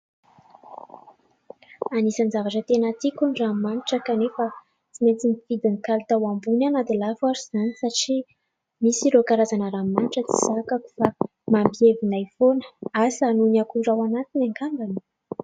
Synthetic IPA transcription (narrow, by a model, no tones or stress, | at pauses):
anisand͡ʒavaʈ͡ʂət̪enat̪ikuniramaniʈ͡ʂakanefa | t͡simet͡s̪infid̪inikalt̪awambunanad̪ilafwaɾiz̥anisaʈ͡ʂi | misiɾokaɾazanəɾamaniʈ͡ʂət͡si̥sakaku̥fa | mambievinajfonə̥asənuniakuɖ͡ʐawanat̪inaŋkamɡani̥